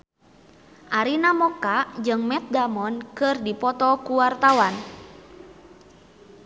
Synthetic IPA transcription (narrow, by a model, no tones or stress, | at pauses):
ʔaɾinamɔkad͡ʒɨŋmɛt̪̚damɔnkɨrdipɔt̪ɔkuwart̪awan